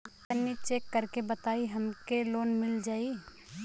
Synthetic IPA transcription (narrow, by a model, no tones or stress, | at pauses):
kənːit͡ʃeːkːəɾkebət̪aːiɦɐmkeloːnmɪld͡ʒaːi